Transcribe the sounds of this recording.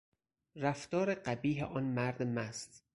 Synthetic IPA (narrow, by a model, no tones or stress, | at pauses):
ɾæft̪ɒːɾeɢæbiːɦeʔɒːnmæɾd̪mæst̪